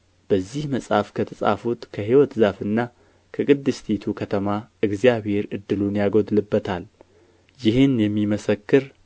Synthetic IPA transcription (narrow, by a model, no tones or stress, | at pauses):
b̥əzːihməsʼhafkʰət̪ʰəsʼa̰fut̪kʰəɦiwɔt̪zafɨnːa | kʰəkʼɨd̪ːɨst̪ʰit̪ʰukʰət̪ʰəmaɨɡzijaβhe̞ɾɨd̪ːɨlunjaɡod̪lɨbːət̪ʰal | jɪhɨnjɛmːiməsəkːɨɾ